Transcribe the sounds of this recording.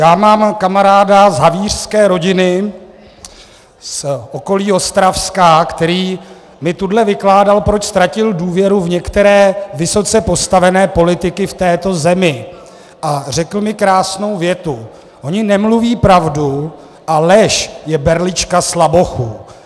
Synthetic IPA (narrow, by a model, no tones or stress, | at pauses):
jaːmaːmkamaɾaːdazɦaviːr̝̥skɛːɾo̞ɟɪnɪ | sʔoko̞liːo̞st̪ɾafskaːkt̪ɛɾiː | mɪt̪udlɛvɪklaːdalpɾo̞t͡ʃst̪ɾacɪlduːvjɛɾuvɲɛkt̪ɛɾɛːvɪso̞t͡sɛpo̞st̪avɛnɛːpo̞lɪt̪ɪkɪft̪ɛːt̪o̞zɛmɪ | ʔar̝ɛkl̩mɪkɾaːsno̞wvjɛt̪u | ʔo̞ɲɪnɛmluviːpɾavdu | ʔalɛʃjɛbɛɾlɪt͡ʃkaslabo̞xu